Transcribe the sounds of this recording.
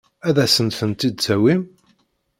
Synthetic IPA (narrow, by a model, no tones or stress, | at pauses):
æðæsənθənt̪id̪̚t͡sæwim